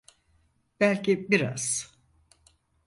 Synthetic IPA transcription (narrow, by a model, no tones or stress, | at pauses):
bælʲcʰibiɾa̰z̥